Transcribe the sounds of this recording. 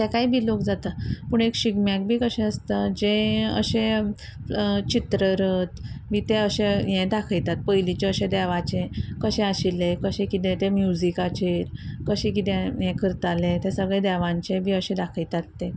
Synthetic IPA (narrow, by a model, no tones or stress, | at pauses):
t̪ɛkaɦibʱiːlokd͡zat̪apuɳekɕiɡmjak̚bʱiːkəɕɛ̃əst̪ad͡ʑẽə̰ɕẽ | t͡ɕit̪ɾəɾət̪miːt̪eəɕɛ̃jɛ̃d̪akʰəjt̪at̪̚pəjlit͡ɕeəɕɛ̃d̪ɛʋat͡ɕẽkəɕɛ̃aɕilekəɕɛ̃kit̪ɛ̃t̪ɛ̃mjud͡zikat͡ɕeɾkəɕɛ̃kit̪ɛ̃jɛ̃kʰəɾt̪alet̪esəɡɭɛd̪ɛʋãɲt͡ɕẽbʱiːəɕɛ̃d̪akʰəjt̪at̪ːe